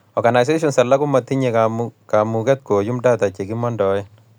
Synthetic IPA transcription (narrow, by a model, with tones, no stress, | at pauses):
ɔrɡana˨js̬e˦ʃ̬ɔnsa˨lːa˦ku˦ma˨t̪ːi˦ɲekakamukɛt̪̚ko˨ju˦mda˦ta˨t͡ʃe˨ki˦mɔndɔjɛ